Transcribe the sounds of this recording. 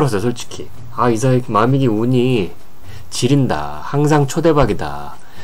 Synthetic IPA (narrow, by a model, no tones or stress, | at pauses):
ɾʌs̬ʰʌsʰoɭt͡ɕ͈ʰi̥kʰi | aisʰaikmamiɡiuɲi | t͡ɕiɾinda̰ | haŋs̬ʰaŋt͡ɕʰode̞baɡida̰